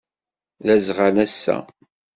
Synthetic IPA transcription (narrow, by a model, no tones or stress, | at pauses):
ðæzʁanæsːæ̰